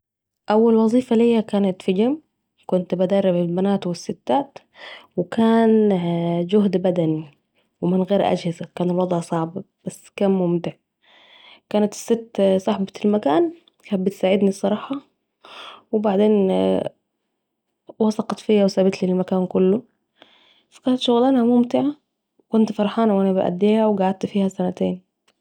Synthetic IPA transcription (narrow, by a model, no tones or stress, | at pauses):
ʔawːalwɑzˤiːfalijːakaːnat̪fid͡ʒam | kʊnt̪bad̪ɑrˤːɪbalbanaːt̪wɪsːɪt̪ːaːt̪ | wɪkaːn | d͡ʒʊɦd̪bad̪ani | wɪmɪnɣeːɾʔa̰d͡ʒhɪzakaːnɪlwɑd̪ˤʕsˤɑʕbb̥asːkaːmːʊmt̪ɪʕ | kaːnat̪ɪ̥sːɪt̪ːsˤɑħbɑlmakaːn | kabɪt̪saːʕɪd̪nisˤːɑɾˤɑːħɑ | wɪbaʕd̪eːn | wɑsˤɑqɑt̪fiːjawsaːbɪt̪lilmakaːnkʊlːʊ | fḁkaːnat̪ʃʊɣlaːnhamʊmt̪ɪʕa | wkʊnt̪fɑɾˤħɑːnwʔanabɪʔæ̰d̪ːeːhawɡaʕad̪̚t̪fiːhasanat̪eːn